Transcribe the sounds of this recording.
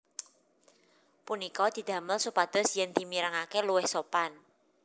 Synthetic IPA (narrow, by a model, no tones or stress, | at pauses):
punikɔd̪̥i̤d̪̥ä̤məlsupad̪̥ʊ̤sjənd̪̥i̤miɾaŋakeluwɪhsopan